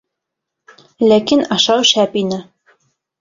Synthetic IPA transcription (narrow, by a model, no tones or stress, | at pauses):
lækinɑʃɑwʃæpinɘ